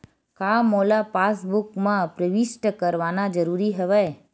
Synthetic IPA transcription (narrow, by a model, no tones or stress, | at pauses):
kamolapasbukmãpɾəʋisʈəkəɾʋanad͡ʒəɾuɾiɦəʋa